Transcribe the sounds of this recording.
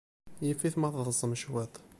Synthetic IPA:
jifiθmɑθðˤəzˤəmʃwæt̪ˤ

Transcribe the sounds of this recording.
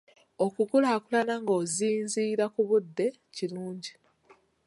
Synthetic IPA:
o̞kukulaːkulanaŋɡo̞ːziːnziːɾakuβud̪ːe̞ | ciluːɲɟi

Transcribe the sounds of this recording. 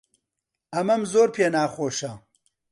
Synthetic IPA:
ɐmɐmzoːɾpʰeːnaːxoːʃɐ

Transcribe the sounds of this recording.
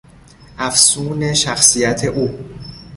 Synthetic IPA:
ʔæfsuːne̞ʃæxsijæt̪ʰe̞ʔuː

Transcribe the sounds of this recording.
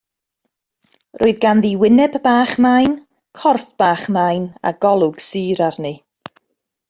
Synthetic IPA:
rʔoːɨðɡanðiwɪnɛbbaːχmajn | kʰɔrfb̥aːχmajna̰ɡ̥ɔlˠʊɡ̥siːɾarnɨ

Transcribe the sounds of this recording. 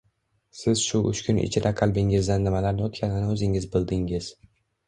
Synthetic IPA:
sɪz̥ʃʊʔʊ̰ʃkʲʊnɪ̰t͡ʃʰɪd̪aqʰɑlˠbɪŋɪzd̪anːɪmalaɾnɪɒt̪kʲanɪnɪɵzɪŋɪzbɪlˠd̪ɪŋɪz̥

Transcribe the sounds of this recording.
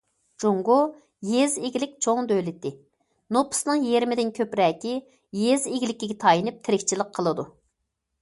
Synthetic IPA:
d͡ʒoŋɡo | jezeɡʲɪlɪkʲt͡ʃʰoŋd̪ølɪt̪ːɪ | nopʰʊ̥snɨŋjeɾmɪd̪ɪnkʲʰøpɾɛːkʲi | jezeɡʲlɪkʲːiɡʲɛt̪ʰɑjinɨp̚t̪ʰɪɾɪkʲt͡ʃʰilˠəq̚qʰːəlˠɨd̪u

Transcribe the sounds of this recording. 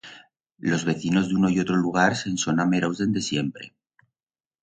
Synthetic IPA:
lo̞zβe̞θino̞zðuno̞io̞t̪ɾoluɣ̞aɾse̞nso̞nameɾawzðe̞nd̪e̞sje̞mpɾe̞̰

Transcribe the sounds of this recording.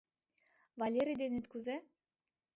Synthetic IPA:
valʲeɾʲid̪enet̪kuze

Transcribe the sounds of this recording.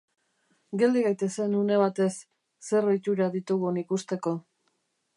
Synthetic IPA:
ɡe̞ld̪iɣajt̪e̞se̞nune̞β̞at̪e̞sː | e̞roit͡ʃ̪uɾaðit̪uɣunikust̪e̞ko̞

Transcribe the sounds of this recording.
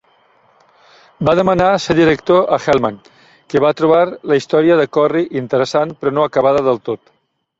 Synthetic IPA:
baðəmənaseɾðiɾəkt̪oʔəxɛlˠman | kəβat̪ɾuβ̞aɾləist̪ɔɾiəðəkɔriʔint̪əɾəsanpɾɔnoəkəβaðəðəlˠt̪ot̪

